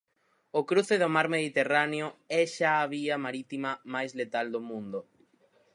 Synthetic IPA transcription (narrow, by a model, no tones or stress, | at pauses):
okɾuθeðʊmaɾmeðit̪eraneoɛʃaːβiɐmaɾit̪imɐmajzlet̪ald̪omũnd̪o